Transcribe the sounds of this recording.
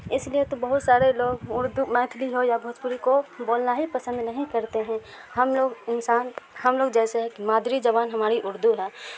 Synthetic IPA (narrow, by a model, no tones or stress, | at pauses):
ɪsliet̪obɐɦʊt̪saːɾeloːɡʊɾd̪umɛ̃ːt̪ʰliɦojabʱʊt̪puɾikoboːlnaɦipɐsə̃nd̪nɐɦĩkɐɾt̪eɦɛ̃ | hɐmoːɡɪnsaːnɦɐmloːɡd͡ʒɛːseɦɛ̃kimaːd̪ɾid͡ʒɐbaːnɦɐmaːɾiʔʊɾd̪uɦɛː